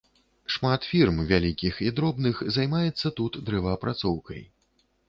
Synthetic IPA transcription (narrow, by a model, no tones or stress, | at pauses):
ʂmat̪fʲirmvʲalʲikʲixid̪ɾɔbnɨxzajmajɛt̪sːɐt̪ut̪d̪ɾɛvɐːpɾʔat̪sɔwkɐ̰j